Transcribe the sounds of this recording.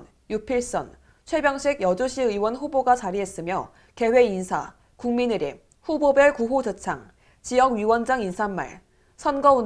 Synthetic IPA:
jupʰiɭs͈ʌ̰n | t͡ɕʰwe̞bjʌŋɕʰiɡjʌd͡ʑoɕʰiɯwʌnɸuboɡat͡ɕaɾiɦe̞s͈ɯmjʌ | ke̞we̞insʰa̰ | kuŋminɯɾḭ | ɸubobjʌɭkuɦod͡ʑʌt͡ɕʰaŋ | t͡ɕijʌɡɥiwʌnd͡ʑaŋinsʰamːa̰ɭ | sʰʌnɡʌu

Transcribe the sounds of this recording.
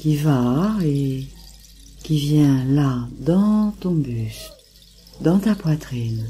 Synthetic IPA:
kʲivae | kʲivjɛ̃lad̪ɑ̃t̪ɔ̃byʃ | d̪ɑ̃t̪apwat̪χin

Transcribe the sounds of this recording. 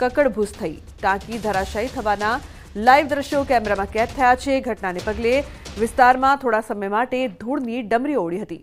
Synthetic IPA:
kəkəɭbʱust̪ʰəi | ʈ̪ãkid̪ʱəɾaʃəit̪ʰəʋana | laiʋd̪ɾəʃjokɛmeɾamãkɛt̪ʰːəjat͡ʃʰeɡʱəʈnanepəɡleʋɪst̪aɾmãt̪ʰoɽasəməjmaʈed̪ʱuɽniɖəmɾioɽiɦət̪i

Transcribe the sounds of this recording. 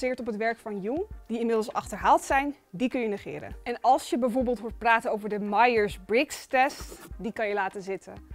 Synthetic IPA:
zɪːɹtɔpətʋɛɹkfɑnjud̥iɪnmɪdəlˠsɑχtəɹɦaːlˠtsɛjn | dikɵnjənəχɪ̰ːɾə̰nʔɛnɑlˠsjəbɛjvoːɹbɪːlˠtɦuːɹt̚praːtənowvəɹdəmɑjəɹsbɹɪkstɛstdikɑnjəlaːtəzɪtʰə̰

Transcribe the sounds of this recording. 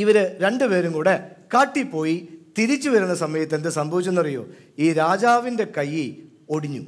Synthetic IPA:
iʋɐɾɨɾe̞ɳɖɨpe̞ːɾuŋkuːɽekaːʈːipːo̞ːjit̪iɾit͡ɕːuʋɐɾɐnːɐsɐmɐjɐt̪ːend̪ɨsɐmbʱɐʋit͡ɕːonːɐrijːo̰ː | iːɾaːd͡ʑaːʋinde̞kɐjːi | o̞ɽiɲːṵ

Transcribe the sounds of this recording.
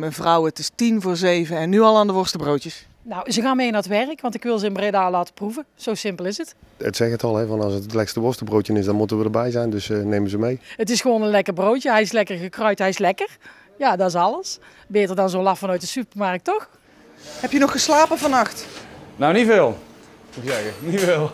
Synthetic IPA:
mɛjnvrʌwətɪstinvoːɹzejvəɛnːyɑlˠaːndəʋɔɹstəbrowtjəs | nowzəɣaːnmejnaɹətʋɛrəkʋɑntɪkʋɪlˠzəɪnbredaːlaːtə̥pruvəz̥owsɪmpəlˠɪsətətsɛxətɑlˠɦɛvɑnɑsətətlɛkstəʋɔɹstəbrowtjənɪsdɑnmutənʋədəɹbɛjzɛjndɵsnejməzəmejət̬ɪsxəʋoːnənlɛkərbrowtəɦɛjɪslɛkərɣəkrœɥtɦɛjɪslɛkər | jadɑɪsɑlˠəs | beːtərdɑnzonlɑfɑnœɥtdəsypərmɑrk̚tɔx | hɛpjənɔxəslaːpəvɑnɑxtnowniveːlˠ | muksɛɣəniveːlˠ

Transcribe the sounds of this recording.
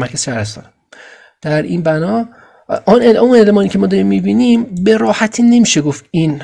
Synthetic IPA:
mæɾkʰæsʃæɾest̪ɒ̰ːn | d̪̥æɾʔiːnbænɒː | neunelemɒːniːcʰemɒːd̪ɒɾimːibiːnimbeɾɒːhæt̪ʰiːne̞miːʃeɡofin

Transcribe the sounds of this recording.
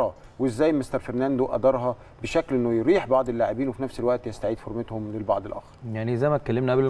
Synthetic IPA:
ɑ | weezːæːjmest̪ɑɾfeɾnænd̪uʔæ̰d̪ɑɾˤɦɑ | beʃæklʔenːojɾiːħbɑʕd̪ˤelːaʕebiːnwefinæfselwæʔt̪jest̪aʕiːd̪foɾˤmet̪homlelbɑ̰ʕd̪ˤelʔæ̰ɑ̰ːxɑɾˤjaʕnizæjmæt̪kːælːemnæʔæble

